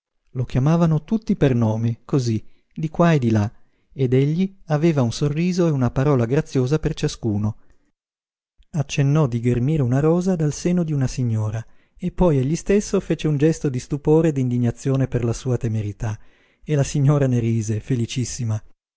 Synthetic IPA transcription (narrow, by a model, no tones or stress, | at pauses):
lokjamaːvanot̪ut̪ːipernoːmekozi | d̪ikwaed̪ila | ed̪eʎːiaveːvaunsorːiːzoeunapaɾɔːlaɡɾat̪sːjoːzapert͡ʃaskuːno | at͡ʃːenːɔd̪iɡermiːɾeunaɾɔːzad̪alseːnod̪iunasiɲːoːɾa | epːɔjeʎːist̪esːofeːt͡ʃeund͡ʒɛst̪od̪ist̪upoːɾed̪ind̪iɲːat̪sːjoːneperlasuːat̪emeɾit̪a | elasiɲːoːɾaneɾiːzefelit͡ʃisːima